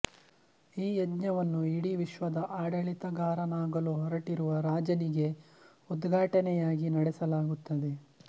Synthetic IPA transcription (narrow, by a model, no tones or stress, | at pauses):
iːjɐd̪ɲɐʋɐnːuiɽiʋiʃʋɐd̪ɐʔaːɽɐɭit̪ɐɡaːɾɐnaːɡɐluɦɔɾɐʈiɾuʋɐɾaːd͡ʒɐniɡe̞ | ud̪ɡʱaːʈɐnɛjaːɡinɐɽɛsɐlaːɡut̪ːɐd̪e̞